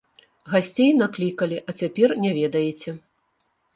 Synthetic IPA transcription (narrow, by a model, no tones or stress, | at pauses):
ɣasʲt͡sʲejnaklʲikɐlʲiʔɐt͡sʲapʲɛrnʲɛvʲɛd̪ɐjɛt͡sʲɛ